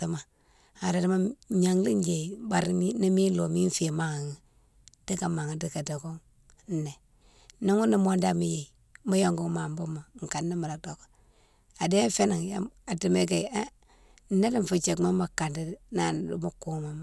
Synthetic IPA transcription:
a˨˦ma˨ | a˨da˨di˦ma˦ɲa˨ŋli˦n˦d͡ʒe˨ba˨ɾi˦ni˦mi˦nlo˨mi˦n˦fi˦˨ma˦ŋa˨ŋi˨ | d̥i˦ka˨ma˨ŋa˨di˦ka˨di˨ɡu˦ŋ˦ | nːe˨ | ni˦ŋu˦ni˦mo˦nda˦mi˨je˨i˨ | mu˦jo˦ŋɡu˦ŋma˨m˦bu˦ma˨˦ŋ˨ka˨nːi˦ma˨ɾa˨do˨ɡo˨ | a˨de˦fe˦ni˨ŋja̰˦a˨di˨me˦ɡe˨a˦ | na˦di˦m˨fu˨t͡ʃe˨kma˦ma˨ka˨ndi˦na̰˨˦˨mu˦ku˦ŋ˨ma˨m˨

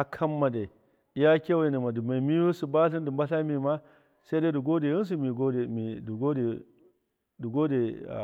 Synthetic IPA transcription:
a˨kʰa˦mːa˨de˨ | i˦ja˦kʲe˦wa˦˨ne˨ma˨du˨ma˨i˨mi˦o˦su˨ba˦ɬi˦ndi˨mba˦ɬa˦mi˨ma˦ | sa˦da˦du˨ɡo˦de˨i˦ns̬u˨mi˨ɡo˦de˨mi˨du˨ɡo˦de˨ | du˨ɡo˦dḛ˨

